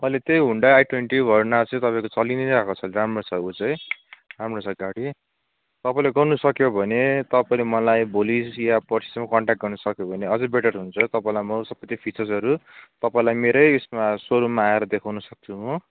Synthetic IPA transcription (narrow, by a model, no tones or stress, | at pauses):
mʌjlet̪jejɦuɳɖaːjʈweɳʈibʱʌrnat͡sʌĩt̪ʌpaĩkot͡sʌliniɾakot͡sʰʌlɾamrot͡sʰʌut͡sʌj̃ramrot͡sʰʌɡaɽi | t̪ʌpaĩleɡʌrnʌsʌkjobʱʌnet̪ʌpaĩlemʌlajbolisjapʌrsʰi̥smakʌɳʈak̚ʈ̚ɡʌrnʌsʌkjobʱʌneʌd͡zʌbeʈʌrɦunt͡sʰʌt̪ʌpaĩlajmʌsʌbʌt̪ipʰit͡sʌrsʌɾut̪ʌpaĩlajmeɾʌjesmasoɾumaːeɾʌd̪ekʰawnʌsʌk̚t͡sʰuo